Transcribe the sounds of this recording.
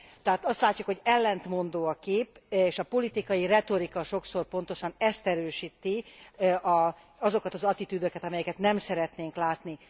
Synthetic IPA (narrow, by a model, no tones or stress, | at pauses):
t̪ɛɦaːt̪ɒst̪laːcːukho̞ɟɛlːɛnt̪mo̞nd̪oːɒkeːpeːʃɒpo̞lit̪ikɒjirɛt̪o̞ɾikɒʃo̞kso̞rpo̞nt̪o̞ʃɒnɛst̪ɛɾøːʃiːt̪ːiʔɒ | ɒzo̞kɒt̪ɒzɒt̪it̪yd̪økɛt̪ɒmɛjɛkɛt̪nɛmsɛɾɛt̪neːŋklaːt̪ni